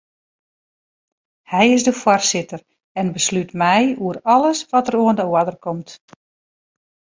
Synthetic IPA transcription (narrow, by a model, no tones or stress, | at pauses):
hɛjɪsdəfworsɪtər | ɛnbəslytmɛjuəɾɔləsʋɔtəɾoəndəwadərkʰɔmt